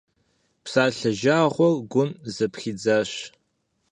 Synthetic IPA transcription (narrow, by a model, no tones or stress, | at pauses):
psaːɬɐʒaːʁʷɔlɡʷʊnzɐpxiːd͡zaːɕ